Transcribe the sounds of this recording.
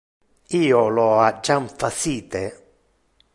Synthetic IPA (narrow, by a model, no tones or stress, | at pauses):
iːɔlɔad͡ʒaɱfasiːt̪e